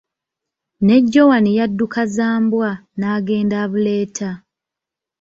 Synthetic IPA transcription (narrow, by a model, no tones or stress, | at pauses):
ne̞ɟːo̞wanijadːukazaːmbwanaːɡe̞ːndaːβuleːtʰa